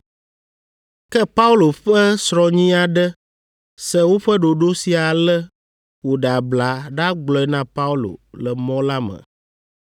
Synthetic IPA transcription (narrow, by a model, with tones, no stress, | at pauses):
kɛ˦pa˦u˦lo˨ɸɛ˦sɾɔ˨ɲĩ˦a˨ɖə˦ | sɛ˦wo˦ɸə˦ɖo˨ɖo˦si˨a˨lɛ˦ | wo˨ɖa˨bla˨ɖa˦ɡ͡blɔ˨ɛ˦nã˦pa˦u˦lo̰˨lɛ˨mɔ̃˦la˦mə̰̃˨